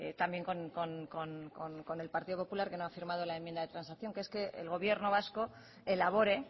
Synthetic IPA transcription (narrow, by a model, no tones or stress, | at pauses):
et̪ambje̞ŋkonkonkonkonko̞ne̞lpaɾt̪iðopopulaɾke̞noafiɾmað̞o̞laemjend̪aðet̪ɾansakθjo̞ŋkeeske̞ḛlɣ̞o̞β̞je̞ɾno̞βasko̞ | e̞laβ̞o̞ɾe̞